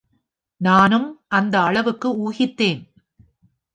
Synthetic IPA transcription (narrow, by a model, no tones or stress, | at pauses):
naːnɯmʔɐnd̪ɐːɭɐʋɯkːɯuːɣɪt̪ːeːn